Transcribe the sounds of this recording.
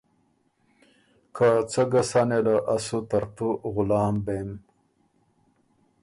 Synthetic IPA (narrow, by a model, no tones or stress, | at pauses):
kʰat͡səɡasanelaʔasut̪aɾt̪uɣʊlɑːmbem